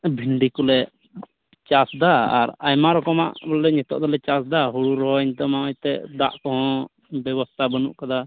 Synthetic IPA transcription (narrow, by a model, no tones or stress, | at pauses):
bʱiɳɖikɔlɛ | t͡ʃasd̪aa̰ɾajmaɾɔkɔma̰ʔbɔlːɛɲɛt̪ɔ̰ʔd̪ɔlɛt͡ʃasd̪aɦuɽuɾɔɦɔiɲt̪ɔmamajt̪ɛd̪a̰ʔkɔɦɔ̃ | bɛβɔst̪ʰabənuʔkad̪a